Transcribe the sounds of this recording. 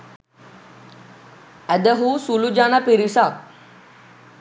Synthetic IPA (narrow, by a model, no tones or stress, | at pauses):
ɛd̪əɦusulud͡ʑanapiɾisa